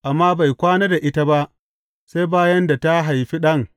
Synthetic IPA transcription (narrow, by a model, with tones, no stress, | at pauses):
ʔa˨mːaː˦ba˨jkʷaː˦ne˦da˨ʔɪ˦ta˦ba˦ʔ | se˦jbaː˦jɐ˦nda˨ta˦ɦa˨jɸi˦ɗɐ˦˨ŋ